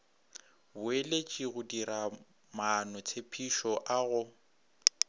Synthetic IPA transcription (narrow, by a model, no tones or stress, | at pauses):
bʊelet͡ʃʼiɣʊdiɾa | manɔt͡sʰepʰiʃɔʔaɣʊ